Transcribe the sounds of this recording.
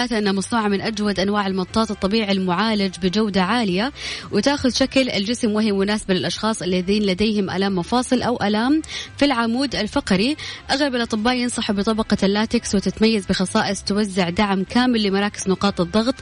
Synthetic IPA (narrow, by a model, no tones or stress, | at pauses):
aːt̪aʔɪnːhamɑsˤnuːʕamɪnʔad͡ʒwad̪ʔanwaːʕɪlmɑt̪ˤːɑːt̪ɨt̪ˤːɑbiːʕilmʊʕaːlad͡ʒbɪd͡ʒawd̪aʕaːlɪjawɪt̪aːxʊðʃaklɪld͡ʒɪsmwɪɦɪwʊnaːsabalɪlʔɑʃxɑːsˤʔɪlːaðiːnlad̪ejhɪmʔa̰laːmːɑfɑːsˤɨlʔawʔalaːmfilʕamuːd̪alfɑqɾiʔaɣlabɪlʔɑt̪ˤɨbːaːʔjɪnsˤɑħubɨt̪ˤɑbɑqɑlːaːt̪ɪkswɪt̪ɪt̪majːazbɪxɑsˤɑːʔɪsˤt̪wazːɪʕd̪aʕmkaːmɪlːɪmɑɾˤɑːkɪ̥znʊqɑːt̪ˤɨðˤːɑɣt̪ˤ